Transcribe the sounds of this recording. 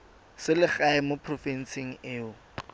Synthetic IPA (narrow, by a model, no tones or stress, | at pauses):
sɪlɪχaɪmopʰrɔfɛn̩sɪŋ̩ɪːʊ